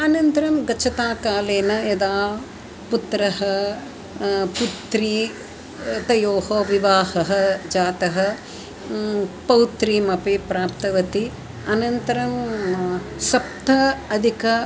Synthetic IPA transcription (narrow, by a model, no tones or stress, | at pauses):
ɐnɐnt̪ɐɾɐmɡɐt͡ʃʰːɐt̪aːkaːleːnɐed̪aː | put̪ɾɐɦɐ | put̪ɾi | t̪ɐjoːhoːʋiʋaːhɐɦɐ̆d͡ʒaːt̪ɐɦɐ̆ | pɐwt̪ɾiːmɐpipɾaːpt̪ɐʋɐt̪i | ɐnɐnt̪ɐɾɐm | sɐp̚t̪ɐɐd̪ʱikɐ